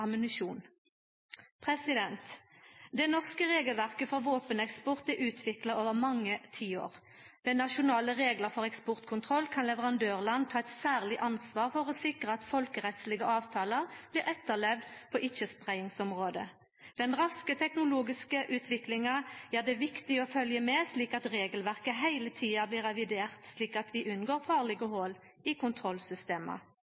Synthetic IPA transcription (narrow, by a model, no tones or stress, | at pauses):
ɑmənɪʃuːn | pʰʁɛsɪd̪ɛnt̪d̪ɛnɔʁskəʁeːɡəlʋæʁkəfɔʁʋoːpənɛkspɔʁt̪̚d̪ɛʔʉːt̪ʰʋɪkləʁoːʋəmɑŋːət̪ʰiːo̰ːʁ | d̪̥ɛnɑʃʊnɑːləʁeːɡləʁfɔʁɛkspʊʁt̪kʰʊnt̪ʰʁɔlːkʰɑnlɛʋəʁɑnd̪øːʁlɑnt̪ʰɑːɛt̪sæːʁlɪʔɑnsʋɑːʁfɔʁɔsɪkʁəɑt̪fɔlkəʁɛt̪slɪɡəʔɑːʋt̪ʰɑːləʁb̥liːʁɛt̪ːəʁlɛʋd̪pʰɔʔɪt͡ʃːəspʁæɪɪŋsɔmʁoːd̪ə | d̪̥ɛnʁɑskət̪ʰɛknʊluːɡɪskəʔʉːt̪ʰʋɪklɪŋɑæːd̪ɛʋɪkt̪ɪɔfœljəmɛsliːkɑt̪ʁeːɡəlʋæʁkəɦæɪlət̪ʰiːɑbliːʁɛʋɪd̪eːʁt̪sliːkɑt̪ʋɪʔʉnɡoːʁfɑːʁlɛɡəhoːl | ɪkʊnt̪ʰʁɔlsʏst̪eːmə̰